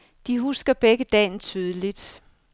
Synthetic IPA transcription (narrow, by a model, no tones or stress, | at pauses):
d̥iɦusɡ̥ɐb̥eɡ̥əd̥ɛ̰ːnt͡sʰyːð̞ˠəlid̥